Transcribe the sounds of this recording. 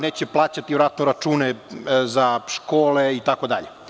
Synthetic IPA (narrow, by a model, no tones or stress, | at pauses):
neːt͡ɕeplˠaːt͡ɕat̪iʋɾat̪noɾat͡ʃuːnezaʃkoːleit̪akod̪aʎe